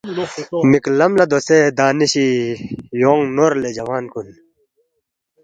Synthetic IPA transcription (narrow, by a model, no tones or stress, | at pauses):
miklɐmlɐd̪osed̪aːniɕi | joːŋnoɾled͡ʑɐwaːnkun